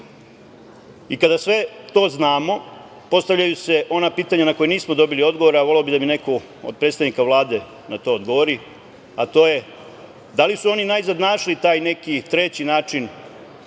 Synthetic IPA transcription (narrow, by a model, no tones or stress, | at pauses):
ikad̪asʋe̞t̪o̞ːznaːmo̞ | po̞st̪aʋʎʲajuse̞ʔo̞napiːt̪aɲanako̞jeniːsmo̞d̪o̞bilio̞d̪ɡo̞ʋo̞ɾeaʋo̞leobid̪amine̞ko | o̰d̪̚pɾe̞t̪t̪aʋnikaʋlˠaːd̪e̞ | nat̪o̞ːod̪ɡo̞ʋoɾi | at̪o̞ːje̞ | d̪alisuo̞ninaizad̪naːʃlit̪aːjne̞kit̪ɾe̞t͡ɕinaːt͡ʃin